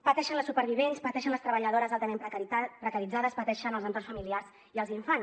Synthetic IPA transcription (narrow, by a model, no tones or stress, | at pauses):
pət̪ɛʃənləsupəɾβiβenspət̪ɛʃənləst̪ɾəβəʎəð̞oɾəzalˠt̪əmemppɾəkəɾid͡zaðəspət̪ɛʃənəlzənt̪ornsfəmiliarz | iəlˠziɱfans